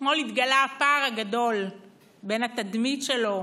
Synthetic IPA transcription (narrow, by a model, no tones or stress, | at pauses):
molit̪ɡalaapaːʁaɡad̪o̞l | be̞nat̪ad̪mitʃelo̞